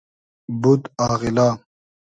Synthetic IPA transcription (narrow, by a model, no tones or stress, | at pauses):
bud̪aːɣilaː